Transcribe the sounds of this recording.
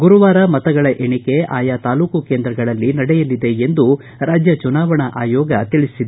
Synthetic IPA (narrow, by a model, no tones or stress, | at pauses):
ɡuɾuʋaːɾɐmɐt̪ɐɡɐɭɐʔeɳike̞a̰ːjat̪aːluːkukeːnd̪ɾɐɡɐɭɐlːinɐɽɛjɐlid̪e̞end̪u | ɾaːd͡ʒjɐt͡ʃunaːʋɐɳɐʔaːjɔːɡɐt̪iɭisid̪